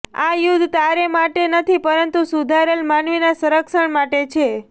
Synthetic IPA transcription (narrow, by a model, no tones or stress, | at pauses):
ajud̪ʱt̪aɾemaʈenət̪ʰipəɾənt̪usud̪ʱaɾelmanʋinasəɾəkʃəɳmaʈet͡ʃʰe